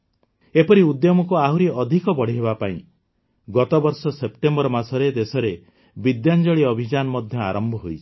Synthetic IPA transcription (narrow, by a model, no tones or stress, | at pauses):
epɔɾiud̪jɔmɔkuaɦuɾiɔd̪ʱikɔbɔɽ̤iɦebapaḭ̃ | ɡɔt̪ɔbɔɾsɔsep̚ʈembɔɾɔmasɔɾed̪esɔɾe | bid̪jand͡ʒɔɭiɔbʱid͡ʒanɔmɔd̪ʱjɔa̰ɾɔmbʱɔɦojt͡ʃʰi̥